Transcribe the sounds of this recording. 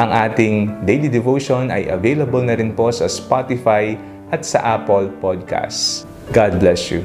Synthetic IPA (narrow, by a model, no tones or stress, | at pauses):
ʔɐŋʔaːt̪ɪŋd̪ejlid̪ɛvowʃonɐ̰jʔɐ̰vejlɐbolnɐɾɪnpo̞sɐspat̪ɪfaj | ʔɐt̪̚sɐ̰ʔapolpod̪̚kʰa̰s | ɡad̪̚blɛsjṵ